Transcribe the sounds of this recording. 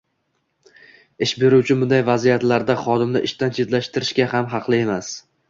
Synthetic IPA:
ɪʃbe̞ɾuwt͡ʃʰɪbʊnd̪ajvazijat̪laɾd̪aχɒd̪ɪmd̪a̰ʔɪʃt̪ant͡ʃʰe̞d̪laʃt̪ɪɾɪʃkʲahamɦɑqlˠɪe̞mas

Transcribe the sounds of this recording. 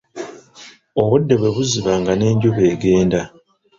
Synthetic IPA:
o̞βudːe̞βwe̞βuziβaːŋɡane̞ːɲɟuβe̞ːɡe̞ːnda

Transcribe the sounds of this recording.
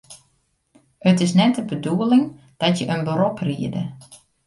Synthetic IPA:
ətɪs̬nɛtəbəduəlɪŋ | d̥ɔtjəʔənbəɾopriədə̰

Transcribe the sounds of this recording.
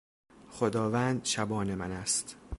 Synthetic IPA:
xod̪ɒːvænd̪ʃæbɒːnemænæst̪

